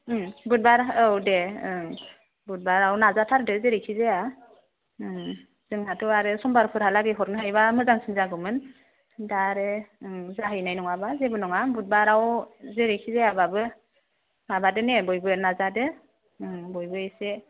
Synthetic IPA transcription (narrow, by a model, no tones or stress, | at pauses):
but̚baɾɯwde | but̚baɾawnazatʰaɾdɯzeɾikʰizea | z̥ɯŋhatʰɔaɾɯsɔmbaɾpʰɯɾhalaɡiɦɔɾnɯɦajbamɯzaŋsʰinzaɡɯmɯn | daɾɯzaɦɯjnajnɔŋabazebɯnɔŋabut̚baɾawzeɾikʰizeababɯ | mabadɯnebɔjbɯnazadɯ | bɔjbɯjse